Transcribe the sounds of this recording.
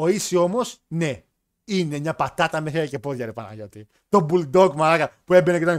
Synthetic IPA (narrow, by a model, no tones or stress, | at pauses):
o̞isio̞mo̞sne̞ | ine̞mɲɐpat̪ɐt̪ɐmeθeɾice̞po̞ðʝɐɾepɐnɐ̰ʝo̞t̪i | t̪o̞buld̪okmalakɐpuebenekit̪on